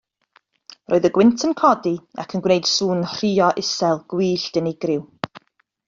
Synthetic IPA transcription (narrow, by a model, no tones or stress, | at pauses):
roːɨðəɡwɪntʰənkʰɔdia̰kʰənɡwnejd̥suːnr̥iːɔʔɪsɛlˠɡ̥wiːɬd̥ənɪɡrɪw